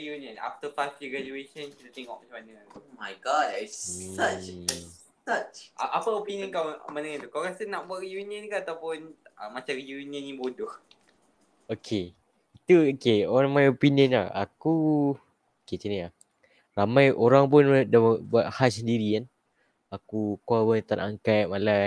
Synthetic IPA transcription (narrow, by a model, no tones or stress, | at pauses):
ijuniə̃na̰ft̪əfast̪iɡɾad͡ʒueʃənkit̪ət̪eŋɔʔ̚mat͡ʃamanəmajɡɔdsa | sat͡ʃaʔapəopiniə̃nkawmənəŋãnt̪ukawɾasənaʔbuaʔɾijuniənkaat̪awpʊnʔəmat͡ʃamɾijuniə̃nĩbodʊh | okʰe | it̪uokeɔnmajopinjənlaha̰ku | oket͡ʃənilah | ramãjʔoɾaŋp̬ʊndabuat̪̚hassəndiɾikan | akukawənt̪anaŋkat̪̚mala